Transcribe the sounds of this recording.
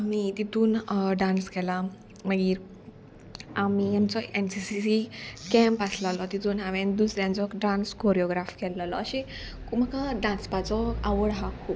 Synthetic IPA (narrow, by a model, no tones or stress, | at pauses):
amit̪it̪uːnɖãnskɛla | məɡiːɾ | amiamt͡sɔensisisikɛ̃mpaslalɔt̪it̪ʰuːnɦaʋɛ̃nd̪usɾjãnt͡sɔkɖãnskoɾjɔɡɾafkɛlːalɔːɕe | kməkãɖãnspat͡sɔaʋəɽɦãkʰuːp̚